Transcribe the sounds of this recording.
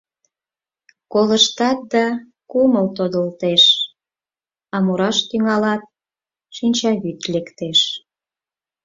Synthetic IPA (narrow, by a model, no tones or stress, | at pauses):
koləʃt̪ɑt̪̚d̪ɑ | kuməlt̪od̪əlt̪eʃ | ɑmuɾɑʃt̪yŋɑlɑt̪̚ | ʃinʲt͡ɕɑβyt̪lekt̪eʃ